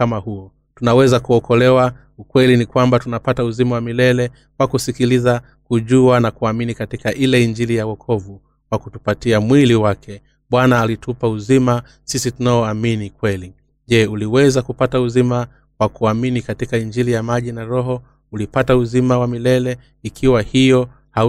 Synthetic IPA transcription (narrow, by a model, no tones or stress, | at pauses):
kamahuɔ | tunawɛzakuɔkɔlɛwa | ukwɛlinikwambatunapatauzimawamilɛlɛ | kwakusikiliza | kuʄuanakuaminikatikaʔilɛiɲd͡ʒilijawɔkʰɔvu | wakutupatiamwiliwakɛ | ɓwanaːlitʰupauzima | sisitunaɔaminikwɛli | ʄɛuliwɛzakupatauzima | wakuaminikatikaiɲd͡ʒilijamaʄinaɾɔɦɔ | ulipatauzimawamilɛlɛ | ikʰiwahijɔ | ha